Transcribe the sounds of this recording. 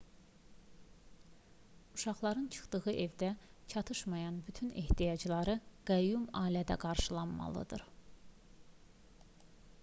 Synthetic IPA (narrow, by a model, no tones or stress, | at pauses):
uʃɑχlˠɑɾɯnt͡ʃʰɯ̥χd̪ɯʁɯʔe̞vd̪æt͡ʃʰɑt̪ʰɯʃmɑjɑnbyt̪ʰynḛht̪ʰijɑd͡ʒlˠɑɾɯɡ̥æjumɑːlæd̪æ̰ɡɑɾʃɯlˠɑnmɑ̰lˠɯ̰d̪ɯ̰ɾ